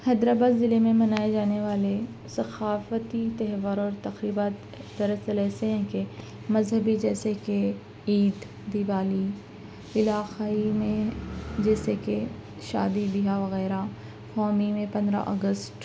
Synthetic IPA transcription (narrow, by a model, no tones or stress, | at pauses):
hɛd̪ɾabaːd̪ːɪlemẽmɐnaːed͡ʒaːneʋaːle | sɐxaːfət̪it̪ɛɦʋəɾɔːɾt̪ɐxɾiːbaːt̪ | d̪ɐɾəsəlɛːseɦɛ̃ke | mɐzɦəbid͡ʒɛːseke | iːd̪ | d̪iʋaːli | ɪlaːqaimẽd͡ʒɛːseke | ʃa̰ːd̪ibɪɦaʋɐɣɛːɾa | fɔːmimẽpɐ̃nd̪ɾa̰ʔɔ̰ɡəsʈ